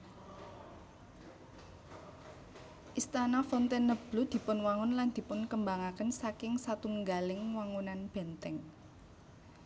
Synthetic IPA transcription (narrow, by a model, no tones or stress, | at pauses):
ʔist̪anafɔnt̪enːəb̥lud̪̥i̤pʊnwaŋʊnland̪̥i̤pʊnkəmbaŋakənsakɪŋsat̪uŋɡalɪŋwaŋunanb̥ɛ̤nt̪ɛŋ